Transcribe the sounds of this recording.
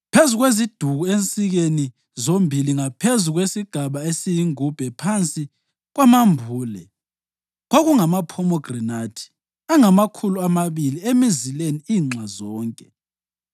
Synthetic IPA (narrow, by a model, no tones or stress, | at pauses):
pʰezuɣwezid̥ʱuɣuent͡sʼiɣeni | zombʱiliŋapʰezuɣwesiɡ̥ʱaβaesijiŋub̥ʱɛpʰant͡sʼi | ɣwamambʱuːlɛ | ɣoɣuŋamapʰɔmɔɡ̥rinatʰi̥ | aŋamakʰuluamaβiliemizileniiːŋ͡ǀwazɔːŋkʼɛ